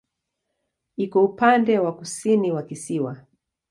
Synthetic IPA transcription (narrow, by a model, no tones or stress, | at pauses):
ikɔupandɛwakusiniwakisiwa